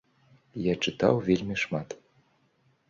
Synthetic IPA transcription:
jat͡ʂɨt̪a̰wvʲelʲmʲiʂmat̪

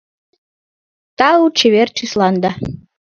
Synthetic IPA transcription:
t̪ɑut͡ɕeβert͡ɕislɑnd̪ɑ

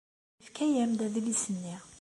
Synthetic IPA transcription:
fkæjæmd̪æðlisənːi

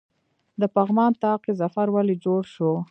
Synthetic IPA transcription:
d̪əpaɣmɑnt̪ɑqezafaɾwalid͡ʒoɽʃo

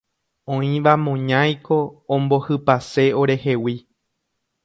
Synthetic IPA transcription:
õĩʋamõɲãjkʰõ̞ːmbo̞hɨpase̞o̞ɾe̞he̞wi

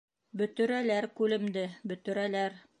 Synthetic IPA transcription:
bɵ̆t̪ɵ̆ɾælæɾkʉlɘ̆md̪ɘbɵ̆t̪ɵ̆ɾælæɾ

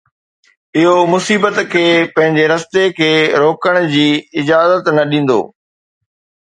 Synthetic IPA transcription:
ɪɦomʊsiːbət̪kʰeːpɐ̃ɦɪ̃ɲd͡ʑeɾɐst̪ekʰeːɾoːkəɽ̃ʊd͡ʑiːɪd͡ʑaːzət̪nɐɗĩːn̆d̪o̰ː

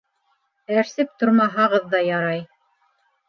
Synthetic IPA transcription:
æɾsɘp̚t̪oɾmɑɦɑʁɤðːɑjɑɾɑj

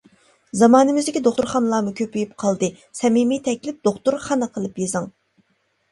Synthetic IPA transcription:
zɑmɑːnɨmɪzd̪ɪkʲid̪oχt̪uɾχɑnlˠɑːmukʲʰøpyjyp̚qʰɑlˠd̪ɨ | sɛmimijt̪ʰɛkʲlɪp̚d̪oχt̪uɾχɑnɨqʰəlˠɨpjezɨŋ

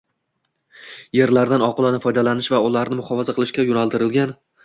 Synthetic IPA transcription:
je̞ɾlaɾd̪anɒqʊlˠanafɒjd̪alanɪʃvaʊlaɾnɪmʊhɒvɒzaqʰɨlˠɪʃkʲajʊnalˠt̪ʰɪɾɪlɡʲan

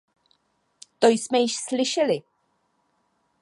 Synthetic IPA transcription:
t̪ojsmɛjɪʃslɪʃɛlɪ

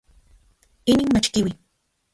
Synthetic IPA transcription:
ɪnɪŋmat͡ʃkɪwɪ

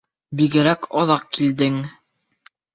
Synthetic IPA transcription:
biɡɘ̆ɾækʰɑðɑq̚kild̪ɘŋ

